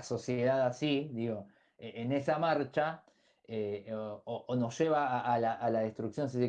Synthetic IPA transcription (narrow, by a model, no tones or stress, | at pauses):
so̞sjeðaðasiðiɣo̞ | eʔene̞samaɾt͡ʃa | eooʔono̞sʒ̥eβaʔːlaʔːlað̞e̞st̪ɾuksjons̬isi